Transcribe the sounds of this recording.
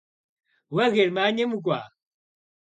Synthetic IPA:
waɣɛɾmaɲɛmuk̬wa

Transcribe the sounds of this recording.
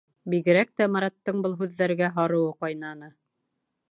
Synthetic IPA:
biɡɘ̆ɾæk̚t̪æmɑɾɑt̪ːɤɴbɤlˠɦʉðːæɾɡæɦɑɾɤ̆wɤqɑjnɑnɤ

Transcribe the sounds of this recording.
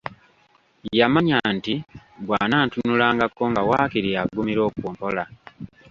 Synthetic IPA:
jamaɲantibwaːnaːntunulaːŋɡakːoŋɡawaːkiɾiaɡumiɾo̞ːkuːmpola

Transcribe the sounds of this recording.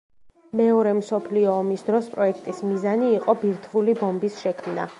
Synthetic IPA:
mɛɔɾɛmsɔpʰliɔːmisd̪ɾɔspʼɾɔɛkʰt̪ʼismizaniːqʼɔbiɾt̪ʰvulibɔmbisʃɛkʰmna̰

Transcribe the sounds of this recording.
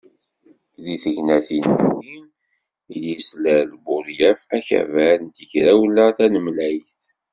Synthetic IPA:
ðiθəʝnæθinwim | iljislælbʊɾjæfæçæ̰vænt̪əçɾæwlːəθænəmlæjθ

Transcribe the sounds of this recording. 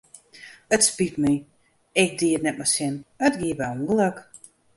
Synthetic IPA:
ətspitni | ɛk̚diədnɛt̚masinətɡiəbɛũŋɡəlˠək

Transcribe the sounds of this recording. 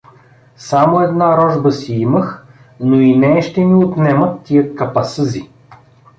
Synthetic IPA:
samoɛd̪naɾɔʒbəsiiməx | noinɛːʃt̪ɛniot̪nɛmət̪ːijəkɐpɐsɤzi

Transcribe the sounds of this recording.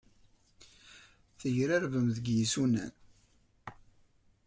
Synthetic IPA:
θəʝɾæɾvəmðəɡjisunæ̰n

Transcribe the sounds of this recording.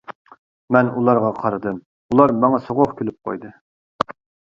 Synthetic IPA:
mɛnulˠɑɾʁɑqʰɑɾɨd̪ɨm | ulˠɑɾmɑŋɑsoʁoχkʲʰølyp̚qʰo̰jd̪ɨ

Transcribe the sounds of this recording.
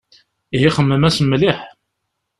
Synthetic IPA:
iɦiχəmːəmæsəmːliħ

